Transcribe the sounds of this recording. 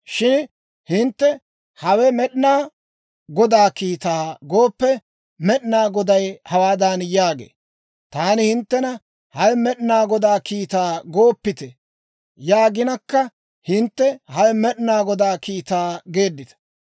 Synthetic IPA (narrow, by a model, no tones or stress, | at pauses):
ʃɪn | hɪnt̪ːɛ | hɐwɛmɛɗnaː | ɡɔd̪aːkiːt̪aːɡo̞ːpːɛ | mɛɗnaːɡɔd̪ɐjhɐwaːd̪anjaːɡḛː | t̪aːnɪhɪnt̪ːɛnɐ | hɐjmɛɗnaːɡɔd̪aːkiːt̪aːɡo̞ːpːɪt̪ɛ | jaːɡɪnɐkːɐ | hɪnt̪ːɛhɐjmɛɗnaːɡɔd̪aːkiːt̪aːɡe̞ːd̪ːɪt̪ɐ̥